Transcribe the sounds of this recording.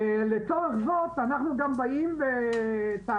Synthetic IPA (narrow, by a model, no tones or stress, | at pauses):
let̪oʁeχzo̞t̪anaχnuɡambaimbet̪a